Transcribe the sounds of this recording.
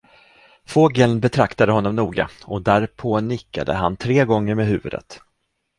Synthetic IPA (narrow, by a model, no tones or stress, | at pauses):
foːɡɛlnbɛt̪ʰɾakt̪ad̪əɦɔnːɔmnuːɡa̰ɔd̪æɾpʰoːnɪkːa̰d̪ə̰ɦant̪ʰɾeːɡɔŋːəɾmeːɦʉ̟ːvɵd̪ə̰t̪